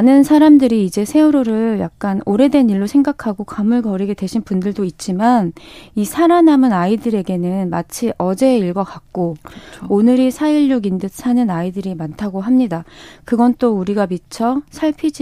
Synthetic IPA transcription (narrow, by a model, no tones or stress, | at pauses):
anɯnsʰaɾamdɯɾiːd͡ʑe̞sʰe̞uɾoɾɯɭja̰k̚k͈anoɾe̞dwe̞niɭːosʰeŋɡakʰaɡokamɯɭkʌɾiɡe̞dwe̞ɕʰinpundɯɭdoit̚t͡ɕ͈imanisʰaɾanamɯnaidɯɾe̞ɡe̞nɯnmat͡ɕʰiʔʌd͡ʑe̞iɭɡʌkak̚k͈oonɯɾisʰaiɭːoɡindɯsʰanɯnaidɯɾimantʰaɡoɦamɲidakɯɡʌnt͈ouɾiɡamit͡ɕʰʌsʰaɭpʰid͡ʑ